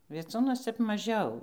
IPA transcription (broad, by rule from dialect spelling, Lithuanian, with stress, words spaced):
ʋʲiɛˈt͡suːnuɔs ˈtʲɛp mɐˈʒʲɛʊ